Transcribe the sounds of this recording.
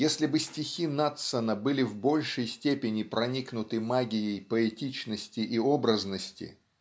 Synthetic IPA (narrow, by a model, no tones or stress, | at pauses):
jesʲlʲɪbɨsʲtʲɪxʲinat̪sənəbɨlʲɪvbo̞lʲʂəjsʲtʲepʲɪnʲɪpɾɐnʲiknʊt̪ɨmaɡʲɪjejpəɛtʲit͡ɕnəsʲtʲɪʔiobɾəznəsʲtʲɪ̰